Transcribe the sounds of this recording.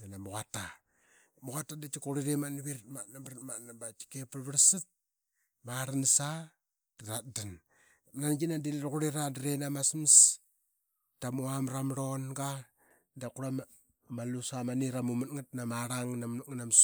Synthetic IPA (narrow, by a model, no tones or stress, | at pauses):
anamuɣata | muɣatadat͡ʃikuɾiɾemanaβiɾtmanambɾatmanabat͡ʃi̥kepaɾβəɾsɨt̚ | maɾansa | daɾat̚dan | nanɡinadilɾkuɾiɾadiɾenamasms | tamuamɾamɾonɡa | dakuɾam | malusamaniɾamumatŋat̚namaɾaŋnaŋnams